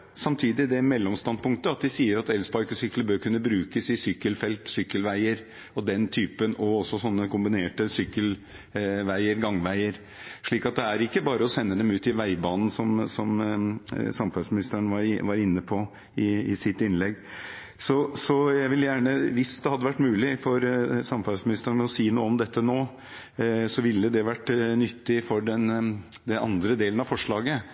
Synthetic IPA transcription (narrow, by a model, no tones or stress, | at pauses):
sɑmt̪ʰiːd̪ɪd̪ɛmɛlːɔmst̪ɑnpʊŋkt̪əɑt̪̚d̪ɪsiːəɾɑt̪ɛlsbɑɾkəsʏkləbøːɾkʰʉnːəbɾʉːkəsɪsʏkːəlfɛlt̪sʏkːəlʋæɪəɾ | ɔd̪ɛnt̪ʰyːpənɔɔsːɔsɔnːəkʊmbɪneːʈəsʏkːəl | ʋæɪəɾɡɑŋʋæɪəɾ | ʂɭiːkɑt̪̚d̪ɛæɾɪkːəbɑːɾəɔsɛnːəd̪ɛmʉːt̪ɪʋæɪbɑːnn̩sɔmsɔm | sɑmfɑsmɪnɪst̪əɳʋɑɾʋɑɾɪnːəpʰɔ | ɪɪ̰sɪt̪ːɪnlɛɡː | sɔsɔjæʋɪljæːɳəʋɪsd̪ɛhɑd̪ːəʋæʈːmʉːlɪfɔɾsɑmfɑsmɪnɪst̪ənəɔsiːnuːəɔmd̪ɛt̪ʰːənoː | sɔʋɪlːəd̪ɛʋæʈːnʏt̪ːɪfɔɖɛn | d̪ɛnʔɑ̰nd̪ɾəd̪eːlnɑfɔʂɭɑːɡə